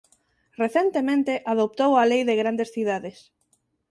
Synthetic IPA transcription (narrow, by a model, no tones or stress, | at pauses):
reθent̪emẽnt̪eʔaðop̚t̪owalejðeɣɾand̪esθiðaðes